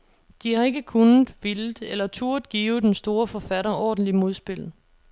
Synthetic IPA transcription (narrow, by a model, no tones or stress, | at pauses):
d̥ihɑ̈e̝ɡ̥əkʰun̩ˠʋildelɐt͡sʰuɐd̥ˠɡ̥ḭːʊð̩ˠd̥ensd̥o̝ːɐfɒfæɾɐʔɒ̰ːd̥n̩limo̝ð̞ˠsb̥e̝l̰